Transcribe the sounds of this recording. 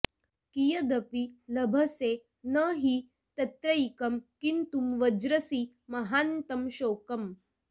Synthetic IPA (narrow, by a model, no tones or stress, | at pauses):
kijəd̪ɐpilɐbʱɐse | nəɦi | t̪ɐt̪ɾɐikɐmkint̪umʋɐd͡ʑɾəsiː | mɐɦant̪ɐmɕokɐm